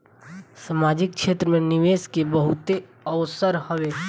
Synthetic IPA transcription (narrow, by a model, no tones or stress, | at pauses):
samaːd͡ʒɪk̚ʃʰeːt̪ɾəmẽnɪʋeːskebəɦʊt̪e | əʊsəɾhoʋe